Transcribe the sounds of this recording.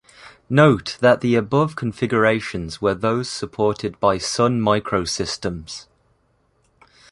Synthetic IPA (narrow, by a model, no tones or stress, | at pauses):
noʊʔðəʔðiəbʊv̥kʰə̃ɱfɪɡjəɹeɪʃə̃nzwəðoʊz̥səpʰɔˑtʰɪd̚baɪsʌ̃nmaɪkʰɹoʊsɪstə̃mz̥